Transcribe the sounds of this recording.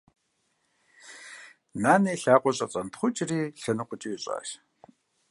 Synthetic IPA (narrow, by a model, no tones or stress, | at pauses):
naːneːɬaːqʷʼɔɕʼɐt͡sʼɐntʰχʷʊt͡ʃʼriːɬɐnɨqʷʼʊt͡ʃʼiwɪɕʼa̰ːɕ